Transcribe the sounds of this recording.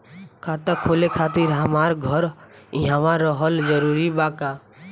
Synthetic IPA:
kʰat̪akʰolekʰat̪iɾɦamaɾɡʱɔɾ | ɪɦãʋãɾɔɦəld͡ʒəɾuɾibaːka

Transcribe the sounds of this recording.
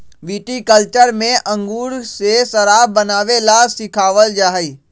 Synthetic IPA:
ʋiːʈikəlt͡ʃəɾmẽʔɐ̃ŋɡuːɾsesɐɾaːbɐnaːʋelasɪkʰaːʋəld͡ʒaːɦiː

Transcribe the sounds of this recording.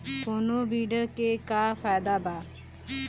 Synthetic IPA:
koːnobiːɖəɾkekafaːjd̪abaː

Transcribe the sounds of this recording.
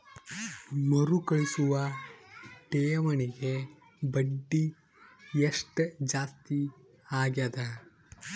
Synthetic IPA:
mɐɾukɐɭisuʋɐ | ʈeːjɐmɐniɡe | bɐɖːi | jeʂʈd͡ʒaːst̪i | aːɡjad̪ɐ

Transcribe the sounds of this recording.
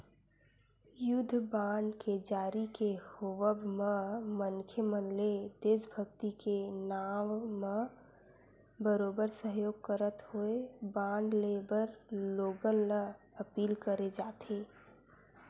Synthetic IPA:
jʊd̪ʱbãːɳɖked͡ʒaːɾikehoʋəbmemənkʰjəmə̃nled̪eːsbʱəɡt̪ikenaːʋme | bəɾoːbəɾsəɦjoːɡ̚kəɾət̪hoebãːɳɖlebəɾloːɡənlə | əpiːlkəɾed͡ʒaːt̪ʰeː

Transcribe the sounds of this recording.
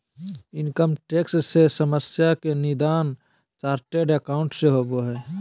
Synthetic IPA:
ɪnkəmʈeːkssesəməsjakenɪd̪aːn | t͡ʃaːɾʈeɖekaʊ̃ɳʈseɦoboɦɛː

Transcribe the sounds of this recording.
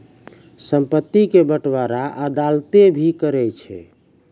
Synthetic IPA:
səmpət̪ːikebəʈbaɾaʔəd̪alt̪ebʱikəɾɛt͡ʃʰɛ̰

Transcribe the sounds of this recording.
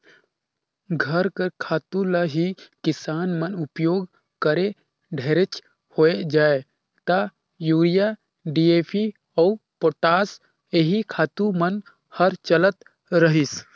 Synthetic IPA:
ɡʱəɾkəɾkʰaːt̪uləɦikɪsaːnmənupjoːɡ | kəɾe | ɖʱeɾet͡ʃ | hoed͡ʒaːe | t̪a | juːɾija | ɖiepʰi | ɔupoʈaːs | eɦikʰaːt̪umən | həɾt͡ʃələt̪ | ɾəɦis

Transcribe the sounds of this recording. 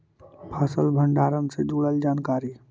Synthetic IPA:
pʰaːsəlbʱə̃ɳɖaːɾəmsed͡ʒuːɽəld͡ʒaːnkaːɾi

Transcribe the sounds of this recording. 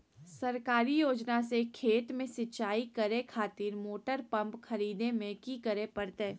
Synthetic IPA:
sɐɾkaːɾijoːd͡ʒnasekʰeːt̪mẽsɪt͡ʃaːikɐɾekʰaːt̪ɪɾmoːʈəɾpɐ̃mpxɐɾiːd̪nemẽkikəɾepɐɾt̪eː

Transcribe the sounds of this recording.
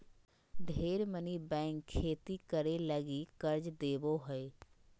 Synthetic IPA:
ɖʱeːɾmənibɛ̃ːŋkʰːeːt̪ikəɾeləɡikəɾd͡ʒd̪eːboɦəe

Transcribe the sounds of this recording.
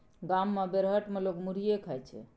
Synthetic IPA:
ɡamːebeɾɦəʈmelokmuɾ̤ijekʰəjt͡ʃʰɛ̰

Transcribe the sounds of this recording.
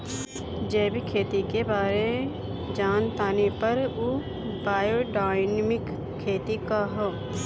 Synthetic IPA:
d͡ʒɛːbʱikʰeːt̪ikebaːɾe | d͡ʒaːnt̪aːnipɐɾu | baːjoɖaːɪnmɪkʰː | eːt̪ikaɦo

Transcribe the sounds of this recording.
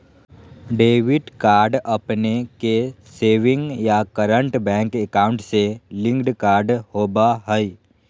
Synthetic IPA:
ɖeːʋɪʈkaːɾɖɐpneke | seːʋɪ̃ŋɡjakəɾəɳʈbɛ̃ːŋkekaːʊ̃ɳʈselɪ̃ŋɡɖkaːɾɖhoːbaɦəi

